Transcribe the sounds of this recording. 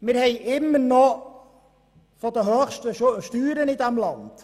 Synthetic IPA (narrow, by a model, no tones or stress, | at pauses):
mɪrhejʔɪmːərnɔ | fɔdəɦøːxstəʃtyːɾənɪtamlɑnt